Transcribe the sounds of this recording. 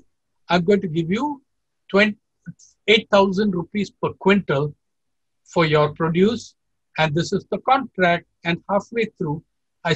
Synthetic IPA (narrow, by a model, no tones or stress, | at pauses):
ãɪ̃mɡõɪ̃ʈuɡɪʋju | ʈwɛ̃ | eːʈ̚t̪ʰaʊzə̃ɳɖɾupiːzpəɾkwɪ̃ɳʈəl | fɔɾjɔɾpɾoɖjuːs | ɛ̃ɳɖd̪ɪsɪzd̪əkɔ̃ɳʈɾæk̚ʈ̚ɛ̃nɖhaːfweːt̪ʰɾuː | aɪ